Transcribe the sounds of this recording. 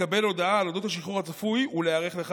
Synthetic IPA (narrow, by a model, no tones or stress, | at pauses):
abe̞lo̞d̪aaːlo̞d̪o̞t̪haʃiχuʁhat͡safujuleaʁe̞χle̞χ